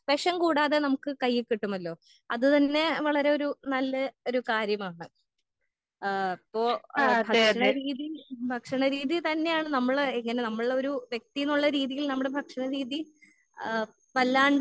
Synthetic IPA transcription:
peʂɐmkuːɽaːðe̞nɐmukːɨkɐjːikːiʈːumɐlːo̞ː | ɐðɨt̪ɐnːe̞ʋɐɭɐɾe̞o̞ɾunɐlːɐo̞ɾukaːɾjɐmaːɳɨ | ɐpːoːbʱɐkʂɐɳɐɾiːðibʱɐkʂɐɳɐɾiːðit̪ɐnːe̞jaːɳɨnɐmːɐɭeŋːɐne̞nɐmːɐɭo̞ɾuʋjek̚t̪ijinːuɭːɐɾiːðijilnɐmːuɽe̞bʱɐkʂɐɳɐɾiːði | pɐlːaːɳɖ

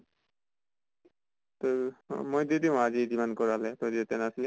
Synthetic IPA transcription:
t̪omojded̪iʊ̃azidimankɔɹalɛt̪ɔdiɛt̪ɛnasilɛ

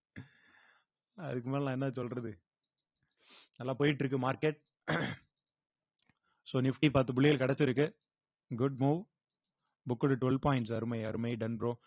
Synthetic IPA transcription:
ɐðɯk̬ːɯmaːlãːɛnːɐsɔlrɐðɯ | nɐlːaːpoːjɪʈ̬ːɪɾɯk̬ːɯmaːɾkeʈ̚ | soːnɪfʈipaːɾt̪ɯbʊɭɪjɪlkɐɽɛt͡ʃːɪɾɯkːɯ | ɡʊɖ̚muːʋ | bʊkːɯɽɯʈʋɛlpaːjɪɳʈsɐɾɯmɐɪɐɾɯmɐɪɖɐnbɾõː

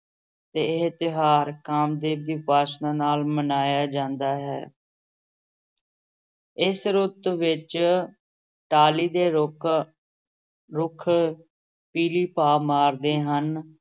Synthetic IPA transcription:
t̪eːt̪ɪɦaːɾkaːmd̪eːbɪpaːsnaːnaːlmənaːjaːd͡ʒãːnd̪aːɦɛ̰ː | ɪsɾʊt̪ʋɪt͡ʃ | ʈaːliːd̪eː | ɾʊkʰ | piːliːpaːmaːɾd̪eːɦən

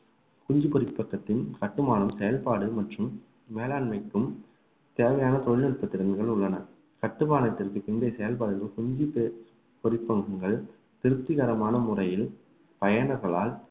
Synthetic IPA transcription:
kʊɲd͡ʒipɔɾɪpːɐkːɐt̪ːɪnkɐʈːɯmaːnɐmsɛjɐlpaːɽɯmɐʈrɯmː | eːlaːɳmɐɪkːɯm | t̪eːʋɐjaːnɐt̪ɔɻɪnɪɾpːɐt̪ːɪɾɐnɣɐɭʊɭːɐnɐ | kɐʈːɯmaːnɐt̪ːɪrkɯpɪɳɖɐɪsɛjɐlpaːɽɯlɯkʊɲd͡ʒi | pɔɾɪpːɐŋɡɐŋɡɐɭ | t̪ɪɾɯt̪ːɪɣɐɾɐmaːnɐmʊrɐjɪl | pɐjɐɳɐɾɣɐɭaːl

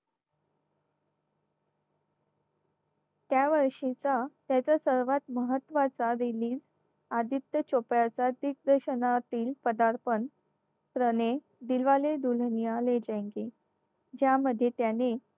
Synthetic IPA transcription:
t̪jaʋəɾʂit͡sat̪jat͡sasəɾʋat̪məɦət̪ːʋat͡saɾiliːd͡z | ad̪ʱit̪ːət͡ɕopjat͡sad̪ik̚d̪əɾɕənat̪iːlpəd̪aɾpən | pɾəne | d̪ilʋaled̪ulnijaled͡ʑẽŋke | d͡ʑjaməd̪ʱːjet̪jane

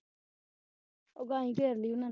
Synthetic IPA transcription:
oɡaɲĩɡeɾliuna

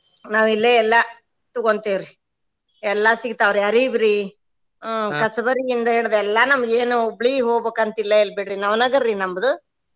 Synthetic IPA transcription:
naːʋilːeɛlːɐ | t̪uɡoɳt̪iʋɾi | ɛlːɐsiɡt̪aːʋɾiɐɾibiɾi | kɐsɐbɐɾijind̪ɐɦeːɭd̪ɛlːɐnɐmːɐɡeːnubɭiɦoːɡbeːkɐnt̪ɐilːɐilbeɽɾinɐʋnɐɡɐɾːinɐmːɐd̪u

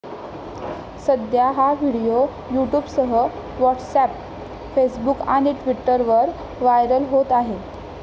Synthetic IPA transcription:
səd̪jaɦaʋiɽijo | juʈjuːbsəɦə | ʋɔʈsæp̚ | fesbuka̰ɽ̃iʈʋiʈːəɾʋəɾ | ʋajɾəlɦot̪aɦe

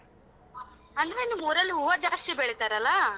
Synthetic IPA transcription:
ɐnd̪ɾenːumuːɾɐlːiɦuːʋɐd͡ʒaːst̪ibeɭit̪aːɾɐlːa

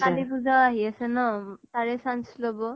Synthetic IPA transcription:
kalibud͡zʱaaɦiasenɔt̪aɹesanslɔbɔ

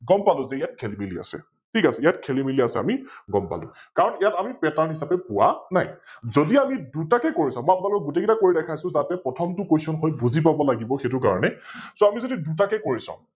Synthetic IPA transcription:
ɡɔmpalʊ̃zɛijat̚kʰelimilia̰sɛ̰ | tʰikasɛijatkʰelimiliasɛ̰a̰miɡɔmpa̰lʊ̰̃kaɹɔnijatamipɛtanɦisapɛpʊwa̰na̰jzodiamidutakɛkoɹisãmɔjapunalʊkɔɡutekitakoɹidɛkʰajsʊ̃zatɛpɹɔtʰɔmtʊkojsɔnxɔjbuzip̬abɔlaɡibɔxetʊka̰ɹɔnɛsoamizodidutakɛkoɹisã̰ʊ̃

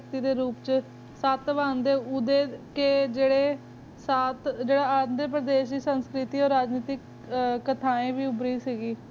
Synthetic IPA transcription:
kt̪iːd̪eːɾuːpt͡ʃ | saːt̪ʋãːnd̪eːʊd̪eːkeːd͡ʒeːɽeː | saːt̪d͡ʒeːɽaːaːd̪eːp̬ɾəd̪eːʃiːsənskɾɪt̪iːoːɾːaːd͡ʒniːt̪ɪk | kət̪ʰaːẽːʋiːʊbɾiːsiːɡiː

